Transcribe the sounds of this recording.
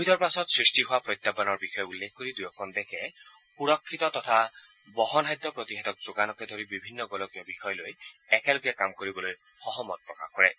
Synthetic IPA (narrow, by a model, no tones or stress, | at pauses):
bʱid̪ɔɹpasɔt̪sɹisʈiɦoapɹɔjt̪ːabanɔɹbixɔjɔulːekʰkːoɹid̪ujɔkʰɔnd̪ɛkʰɛ | xuɹɔkʰːit̪ɔt̪ɔt̪ʰa | bɔɦɔnɦajd̪ɔpɹɔt̪iɦɛt̪ɔk̚zoɡanɔkɛd̪ʱoɹibibʱinːɔɡɔlɔkijɔbixɔjɔlojɛkɛloɡɛkamkoɹibɔloj | xɔɦɔmɔt̚pɹɔka̰hkɔɹɛ